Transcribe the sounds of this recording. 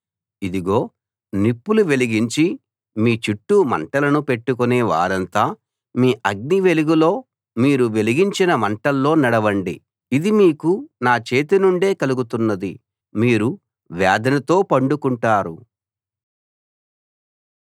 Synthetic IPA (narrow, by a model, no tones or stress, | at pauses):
id̪iɡo̞ː | nipːuluʋe̞liɡiɲt͡ʃi | miːt͡ʃiʈːumɐ̰ɳʈɐlɐnupe̞ʈːukuneːʋa̰ːɾɐnt̪aː | miːʔɐɡ̚niʋe̞liɡulo̞ː | miːɾuʋe̞liɡiɲt͡ʃinɐmɐɳʈɐlːo̞ːnɐɽɐʋɐɳɖḭ | id̪imiːkunaːt͡ʃe̞ːt̪inuɳɖe̞ːkɐluɡut̪unːɐd̪i | miːɾu | ʋjaːd̪ɐnɐt̪o̞ːpɐɳɖukuɳʈaːɾṵ